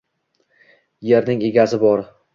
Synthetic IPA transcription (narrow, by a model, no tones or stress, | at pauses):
je̞ɾnɪŋe̞ɡʲazɪbɒɾ